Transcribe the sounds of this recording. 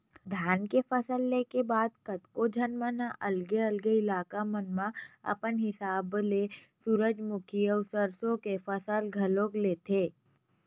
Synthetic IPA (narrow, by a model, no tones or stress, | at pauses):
d̪ʱjaːnkefəsəlːekebaːd̪̚kət̪kod͡ʒʱɐnmənaʔɐlɡeɐlɡeɪlaːkamənmãɐ̰pənɦɪsaːble | suːɾəd͡ʒmʊkʰiɔːsəɾsõkefəsəlɡʱɐlõːkleːt̪ʰeː